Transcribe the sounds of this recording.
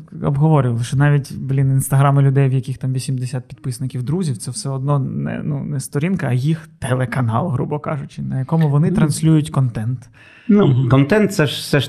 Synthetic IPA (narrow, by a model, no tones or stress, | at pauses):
ɔ̰bɦɔʋɔɾʲɪʋɐlˠʃɔnɑʋʲitʲblʲininst̪ɐɦɾɑmɪlʲʊd̪ɛjwjɐkʲixt̪ɑmʋʲisʲimd̪esʲat̪̚pʲid̪pɪsnɪkʲiwd̪ɾuzʲiwt̪sɛwsɛɔd̪nɔnɛ̰nunɛst̪ɔɾʲinkɐːjixt̪ɛlˠekɐnɑ̰lˠɦɾubɔkɑ̰ʐʊt͡ʃɪnɐjɐkɔmʊʋɔnɪt̪ɾɐnsʲlʲujʊtʲkɔnt̪ɛnt̪ | nukɔnt̪ɛnt̪̚sɛʃsɛʃ